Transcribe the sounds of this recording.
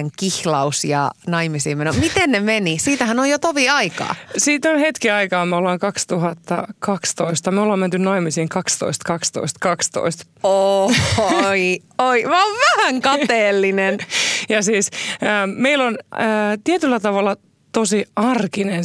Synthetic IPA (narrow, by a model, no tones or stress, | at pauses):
eŋkihlɑusjɑ̰nɑimisiːmenomit̪ennemenisiːt̪æhænojot̪oʋiɑikɑ̰ːsiːt̪onhet̪kiɑikɑːmeolːɑːŋkɑkst̪uhɑt̪ːɑ̰kɑkst̪oist̪ɑmeolːɑːment̪ynnɑimisiːŋkɑkst̪o̰ist̪kɑkst̪o̰ist̪kɑkst̪o̰ist̪ | o | i | oimɑːʋʋæhæŋkɑŋt̪eːlːinenjɑsiːsəːmeilonəːt̪iet̪ylːæt̪ɑʋɑlːɑ | t̪osiɑrkinen